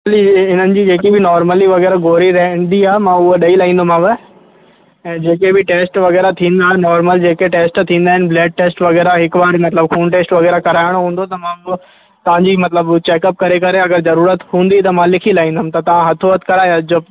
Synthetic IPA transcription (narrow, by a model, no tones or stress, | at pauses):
liɪn̤ənɪ̆d͡ʑiːd͡ʑeːkibɪnɔːɾməliʋɐɣɛːɾaɡoːɾiɾɐɦd̪iaːmãʊɦoɗɐilaːĩːn̆d̪omãːʋɪ | ɛ̃ːd͡ʑeːkebɪʈeːsʈʋɐɣɛːɾat̪ʰĩːn̆d̪aːenɔːɾməld͡ʑeːkeʈeːsʈt̪ʰĩːnd̪aːɦɪnbleːɖ̚ʈeːsʈʋɐɣɛːɾaɦɪkʋaːɾmɐt̪ləbkʰuːnʈeːsʈʋɐɣɛːɾakɐɾaːɪɽ̃oɦũːnd̪ot̪ɐmãː | t̪ɐʋ̤ãɲd͡ʑiːmɐt̪ləbt͡ɕeːkəp̚kɐɾekɐɾeɐɡəɾzɐɾuːɾət̪ɦũːnd̪it̪̬ɐmãlɪkʰilaːɦĩːnd̪əmt̪ɐt̪ɐʋãɦɐt̪ʰoət̪kɐɾaːjod͡ʑo